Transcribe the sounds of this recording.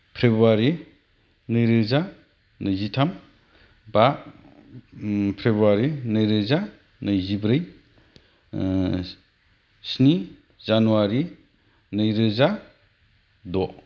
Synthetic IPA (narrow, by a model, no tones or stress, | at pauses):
pʰɾebaɾi | nɯjɾɯza | nɯjzitʰam | ba | pʰɾebuaɾinɯjɾɯza | nɯjzibɾɯj | sni | zanuwaɾi | nɯjɾɯza | dɔ